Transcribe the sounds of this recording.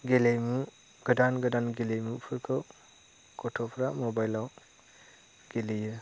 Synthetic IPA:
ɡelejmu | ɡ̥ɐdanɡɐdanɡelejmupʰɯɾkʰɯw | kɔtʰɔpʰɾamobajlaw | ɡ̥elejɯ

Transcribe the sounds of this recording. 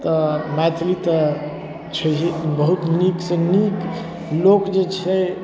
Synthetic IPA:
t̪ɔmat̪ʰlit̪ə | t͡ʃʰəbəɦut̪niksenik | lokd͡ʒet͡ʃʰɛ

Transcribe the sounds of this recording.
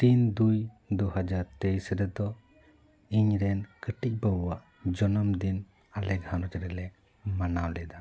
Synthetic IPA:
t̪ind̪uj | d̪uhad͡ʒaɾt̪ejsɾɛd̪ɔ | iɲɾɛnkəʈic̚bəːaʔ | d͡ʒɔnɔmd̪in | alɛkhanɔd͡ʒɛɾɛlɛ | manawlɛd̪a

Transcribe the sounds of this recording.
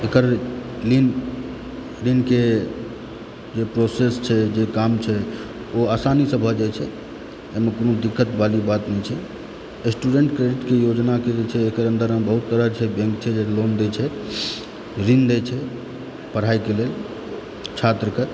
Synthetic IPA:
ekəɾlin | ɾinke | d͡ʒepɾosest͡ʃʰɛd͡ʒekamt͡ʃʰɛ | oasanisəbʱəd͡ʒajt͡ʃʰɛ | emekonod̪ikːət̪balibat̪nɛt͡ʃʰɛ | sʈuɖeɳʈkɾeɖiʈkejod͡ʒnaked͡ʒet͡ʃʰɛːkəɾənd̪əɾmebəɦut̪ːəɾət͡ʃʰɛbẽŋkt͡ʃʰɛd͡ʒelond̪ɛt͡ʃʰɛ | ɾind̪et͡ʃʰɛ | pəɽ̤aikelel | t͡ʃʰat̪ɾəke

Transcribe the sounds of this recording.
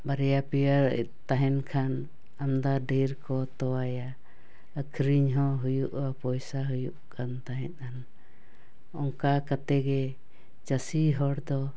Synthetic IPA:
baɾɛjapijaɾ̰ | t̪aɦɛnkʰan | amd̪aɖeɾkɔt̪ɔwaja | əkʰɾiɲɦɔ̃ɦujuʔapɔjsaɦujuʔkʰant̪aɦɛt̪̚ˀan | ɔŋkakat̪ɛɡɛ | t͡ʃasiɦɔɽd̪ɔ

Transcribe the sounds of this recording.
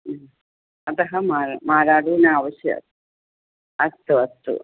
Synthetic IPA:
ɐt̪ɐɦɐmaːɾmaːɾaːɽinɐaːʋɐsjɐ̰ | ɐt̪ːuɐt̪ːṵ

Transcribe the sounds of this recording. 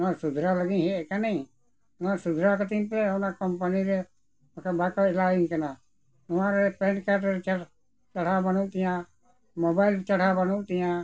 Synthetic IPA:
ãsud̪ʱɾaləɡĩɦekanɛi | nãsud̪ʱɾakət̪ĩnpenakɔmpəniɾe | kabakɔɪlaiŋkəna | ʊãɾepɛnkaʈɾt͡ʃ | t͡ʃəɽ̤abənũt̪ijã | mobaɪlt͡ʃəɽ̤abənut̪ĩjã

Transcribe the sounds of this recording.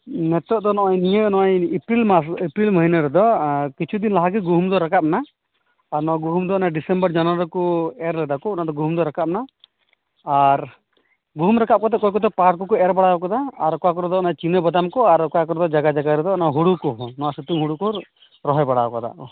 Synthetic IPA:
nɛt̪ɔʔ̚d̪ɔnɔʔɔjnijənɔʔjipɾilmasipɾilməɦinaɾɛd̪ɔkit͡ʃʰud̪inlaɦaɡiɡuɦumd̪ɔɾakap̚na | aɾnɔɔɡuɦumd̪ɔɔnaɖisɛmbəɾd͡ʒanaɾɔɾkuɛɾlɛɖakɔɔnad̪ɔɡuɦumd̪ɔɾakap̚na | aɾ | ɡuɦumɾakap̚kɔt̪ɛʔ̚kɔjk̬ɔt̪ɛpaɾkɔkɔɛɾbaɽakɔd̪aːɾkɔakɔɾɛd̪ɔɔnat͡ʃinəbɔd̪amkɔaɾkɔakɔɾɔd̪ɔd͡ʒaɡad͡ʒaɡaɾɛd̪ɔɔnaɦuɽukɔnɔwasut̪uŋɦuɽukɔ | ɾɔɦɔjbaɽaɔkɔd̪a̰ʔ

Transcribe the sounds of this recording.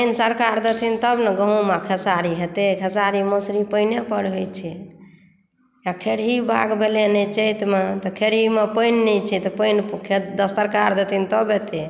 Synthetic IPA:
pəjnsəɾkaɾd̪ət̪ʰint̪əbnəɡəɦũmãkʰəsaɾiɦet̪ekʰəsaɾimosɾipəjnepəɽɦojt͡ʃʰɛ | jakʰeɽɦibʱa̰ɡbʱelenet͡ʃəjt̪met̪ɔkʰeɽɦimepəjnːɛt͡ʃʰɛt̪ɔpəjnpkʰed̪əst̪əɾkaɾd̪ət̪ʰint̪əbɦet̪e

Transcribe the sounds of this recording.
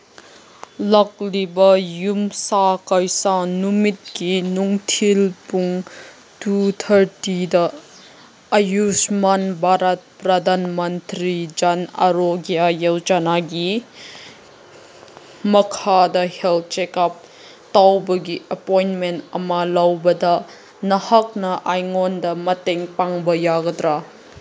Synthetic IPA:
lɐk̚libɐjumsakɐjsanumit̚kinuŋtʰilpuŋ | tut̪ʰɐɾtidɐː | jusmɐnbʱaɾɐt̚pɾɐd̪ʱanmɐntɾid͡ʒɐnɐ̰ɾoɡijajewd͡ʒanaɡi | mɐkʰadɐhelt̚t͡ʃekap̚ | tawbɐɡiʔɐpojnmentɐmɐlawbɐdɐ | nɐhɐk̚nɐʔajŋɔndɐmɐteŋpaŋbɐjaɡɐdɾa

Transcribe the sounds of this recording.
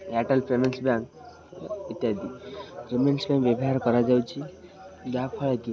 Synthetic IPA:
jaʈəlpemensbãŋk | it̪jad̪ʱiɾemensbãŋkʋebɦaɾkəɾad͡zawt͡ɕi | ɡapʰəɭak̪i

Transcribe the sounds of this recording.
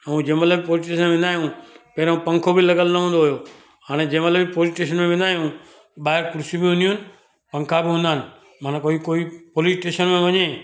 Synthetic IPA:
ɛ̃ũd͡ʑẽːmət̪ləbpoːlɪsʈeːʃənʋẽnd̪aːijũpɐɦɾõpɐ̃ŋkʰobɪlɐɡəlnɐɦũːnd̪oɦʊjo | ɦaːɽ̃ed͡ʑẽːmɐt̪ləbipoːlɪsʈeːʃ̬ənmẽʋẽnd̪aːijũ | ɓaːɪɾkʊɾsibiʊ̃nuʊnɪ̆ | pɐ̃ŋkʰabɪɦũːnd̪aɦɪnɪ̆ | mãnkoːikoːipoːlɪsʈeːʃənmẽʋɐɲe

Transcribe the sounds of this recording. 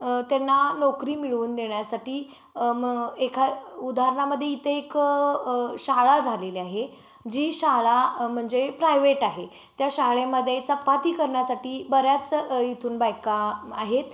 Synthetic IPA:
t̪janːanɔkɾiːmiɭuːnd̪eɳjasaʈiː | mekʰaud̪ʱaɾɳaməd̪ʱːjeit̪ʰeek | ɕaɦɭad͡zʱaleliaɦe | d͡ʑiːɕaɦɭam̤əɳd͡zepɾajʋeʈaɦe | t̪jaɕaɦɭeməd̪ʱːjet͡səpːat̪iːkəɾɳjasaʈiːbəɾjat͡sit̪ʰuːnbajkaaɦet̪

